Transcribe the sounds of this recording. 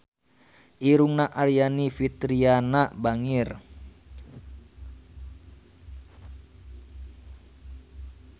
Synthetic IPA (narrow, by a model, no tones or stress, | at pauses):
ʔiɾuŋnaʔarjanifit̪ɾianaʔbaŋir